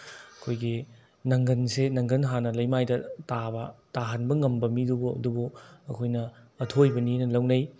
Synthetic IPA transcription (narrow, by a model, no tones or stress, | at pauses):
ɐkʰojɡi | nɐŋɡɐnsenɐŋɡɐnɦanɐlɐjmajdɐtabɐtaɦanbɐŋɐmbɐmidubuɐ̰dubuɐkʰojnɐː | tʰojbɐninɐlɐwnɐj